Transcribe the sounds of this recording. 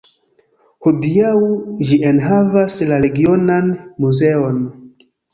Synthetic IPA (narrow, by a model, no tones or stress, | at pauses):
hudiawd͡ʒiʔenɦavaslaɾe̞ɡio̞nanmuze̞o̞n